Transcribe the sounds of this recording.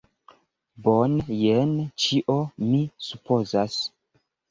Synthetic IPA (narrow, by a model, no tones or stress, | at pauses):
bonjent͡ʃiʔo̞misupo̞zas